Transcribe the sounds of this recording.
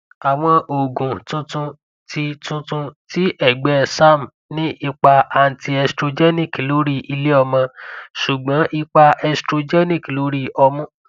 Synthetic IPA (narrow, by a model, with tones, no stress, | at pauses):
a˨w̃ɔ̃˧ʔo˨ɡũ˨tũ˧tũ˧ | tʰi˧tũ˧tũ˧ti˦ʔɛ˦˨ɡ͡bɛ˦sa˦˨m˨ | nĩ˦ʔi˧k͡pa˧a˧˨n̩˨ti˧ɛ˧stɾo˧d͡ʒɛ˦nĩ˦˨klo˨˦ɾi˦ʔi˧le˦ɔ˧mã˧ʃu˨ɡ͡bã˨˦ʔi˧k͡pa˧ɛ˧stɾo˧d͡ʒɛ˦nĩ˦˨klo˨˦ɾi˦ʔɔ˧mũ˦